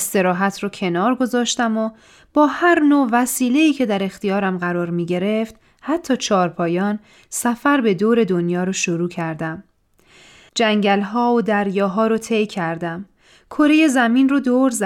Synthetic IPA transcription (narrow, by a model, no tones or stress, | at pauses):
st̪e̞ɾɒːɦæt̪ʰrɔːcʰe̞nɒːɾɡo̞zɒːʃt̪æmo | b̥ɒːhæɾnoːvæsiːle̞iːcʰe̞d̪æɾe̞xt̪ijɒːɾæmɢæɾɒːɾmiːɟe̞ɾe̞ft̪ | hæt̪ʰːɒːt͡ʃʰɒːɾpʰɒːjɒːn | sæfæɾbe̞d̪oːɾe̞d̪onjɒːɾoʃoɾuːcʰæɾd̪æm | d͡ʒæŋɟælɦɒːod̪æɾjɒːɦɒːɾot̪ʰe̞jcʰæɾd̪æm | kʰo̞ɾe̞je̞zæmiːnrod̪oːɾz